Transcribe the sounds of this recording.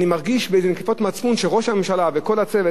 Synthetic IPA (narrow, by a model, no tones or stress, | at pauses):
nimaʁɡiʃbeezenekefotmat͡sfunʃeʁo̞ʃhame̞mʃalaveko̞lat͡seve